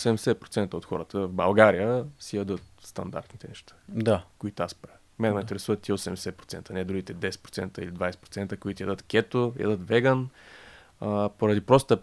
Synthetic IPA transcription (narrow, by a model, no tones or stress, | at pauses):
sɛmɛsɛpɾot̪sɛnt̪əot̪xɔ̰ɾət̪əvbɐlˠɡaɾijəsijɐd̪ɤt̪̚st̪ɐ̰nd̪a̰ɾt̪nit̪ɛnɛʃt̪ḁd̪akoit̪oaspɾa | mɛnɛmoint̪ɛɾɛsuvɐt̪ːiɛosɛmɛsɛpɾo̥t̪ɛ̰nt̪ənɛd̪ɾuɡʲit̪ɛd̪ɛsɛ̥t̪pɾot̪sɛ̰nt̪əilid̪vajsɛ̥t̪pɾo̥tsɛnt̪əkoit̪ijɐd̪ət̪kʲɛt̪ojʔd̪ət̪vɛɡən | əpoɾɐd̪ipɾɔst̪t̪ə